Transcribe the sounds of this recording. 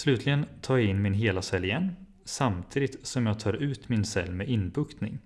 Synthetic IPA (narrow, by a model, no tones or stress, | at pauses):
slʉ̟ːt̪ʰlɪɡənt̪ʰɑːɪnːmɪnɦeːlasɛlːɪjɛnː | samt̪ʰiːd̪ɪt̪sɔmjɑːɡ̚t̪ʰɑːɾʉ̟ːt̪mɪnsɛ̰lːmɛʔɪnbɵkt̪nɪ̰ŋ